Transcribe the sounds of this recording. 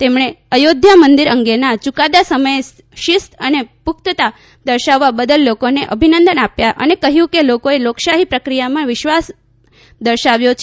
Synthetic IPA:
t̪emɳ̃e | əjod̪ʱjamənd̪iɾəŋɡenat͡ʃukad̪asəməje | ʃɪst̪ənepʊk̚t̪ət̪a | d̪əɾʃaʋːabəd̪əlːokoneʔəbʱinənd̪ənapjaʔə̰nekəɦjũkelokoeloksaɦipɾəkɾijamãʋɪʃʋas | d̪əɾʃaʋjot͡ʃʰ

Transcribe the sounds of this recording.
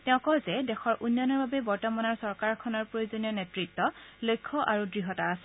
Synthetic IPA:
tɛʊ̃kɔjzɛdɛxɔɹʔunːanɔɹbabɛbɔɹtɔmanɔɹsɔɹkaɹkʰɔnɔɹpɹojuzonijɔnetɹitːɔlojkʰːɔʔaɹudɹiɦɔtaːsɛ

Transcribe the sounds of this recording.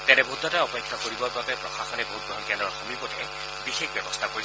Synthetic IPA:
tɛnɛbʱoud̪ːɔtaɔpekʰːakoɹibɔɹbabɛpɹɔxaxɔnɛboɦut̚bɹɔɦɔnkɛndɹɔɹxomipɔtɛ | bixekbjɛbɔst̪ʰakoi

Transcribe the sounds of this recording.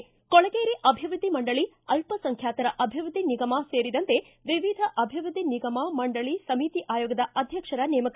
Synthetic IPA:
kɔɭɐɡeːɾiʔɐbʱiʋɾud̪ʱːimɐɳɖɐɭi | ɐlpɐsɐŋkʰjaːt̪ɐɾɐʔɐbʱiʋɾud̪ʱiniɡɐmaseːɾid̪ɐnt̪e̞ | ʋiʋid̪ʱɐʔɐbʱiʋɾud̪ʱːiniɡɐmamɐɳɖɐɭisɐmiːt̪iʔaːjoːɡɐd̪ɐʔɐd̪ʱjɐkʂɐɾɐneːmɐk

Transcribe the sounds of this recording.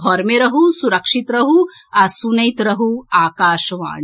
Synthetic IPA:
ɔɾmeɾɐɦusuɾɐkʂit̪ɾɐɦuɐsunɐjt̪ɾɐɦuaːkaːʃɐʋa̰ːɳ

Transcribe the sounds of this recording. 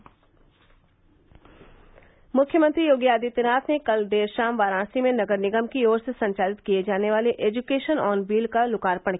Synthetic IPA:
mʊkʰjəmə̃nt̪ɾijoːɡjaːd̪it̪ɪɾaːt̪ʰnekɐld̪eːɾʃaːmʋaːɾãːsimẽnɐɡəɾnɪɡəmkioːɾsesɐ̃ɲt͡ʃaːlɪt̪kijed͡ʒaːneʋaːleʔeːd͡ʒukeːʃənɔːnbiːlkalʊkaːɾpəɳ̃

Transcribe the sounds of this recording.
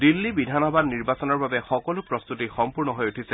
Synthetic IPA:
dilːibidʱanɔbadniɹbasɔnɔɹbabɛxɔkɔlʊpɹɔst̪utixɔmpuɹnɔɦojutʰisɛ

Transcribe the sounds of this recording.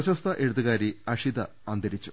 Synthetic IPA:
ɐɕɐst̪ʰɐʔeɻuðɨɣaːɾiɐʂid̪ɐ | ɐnd̪ʱɐɾit͡ɕːu̥

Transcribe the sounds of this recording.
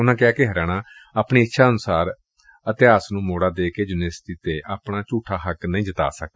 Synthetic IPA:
ʊnãːkɪaːkɪɦəɾaːñaːaːpɳiːɪtːʃʰaːənʊsaːɾ | ət̪ɪaːsnũːmoːɽaːd̪eːkeːd͡ʒʊneːst̪iːt̪eːʔaːpɳaːt͡ʃuːʈʰaːɦəknəĩːd͡ʒət̪a̰ːsək̚d̪a

